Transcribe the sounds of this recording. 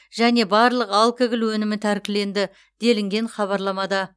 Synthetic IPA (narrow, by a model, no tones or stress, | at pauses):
ʒ̥æne̞bɑɾlˠəqɑlˠkʲɪɡʲɪlwɵnɪmɪt̪ʰæɾkʲɪle̞nd̪ɪ | d̪̥e̞lɪŋɡʲe̞ɴχɑβɑɾlˠɑmɑd̪ɑ